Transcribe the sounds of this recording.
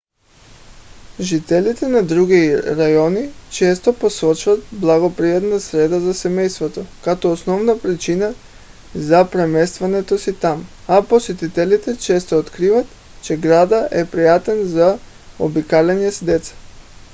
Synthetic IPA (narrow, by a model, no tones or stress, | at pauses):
ʒit̪ɛlit̪ɛnad̪ɾuɡiɾajɔnit͡ʃɛst̪oposɔt͡ʃvat̪̚blˠaɡopɾiat̪nasɾɛd̪azasɛmɛjst̪vot̪ɔkat̪ɔosnɔvnapɾit͡ʃina | zapɾɛmɛst̪vanɛt̪osit̪amaposɛt̪it̪ɛlit̪ɛt͡ʃɛst̪oot̪kɾivat̪ | t͡ʃɛɡɾad̪aʔɛpɾijat̪ɛnza | o̰bikalɛɲɛsd̪ɛt̪sḁ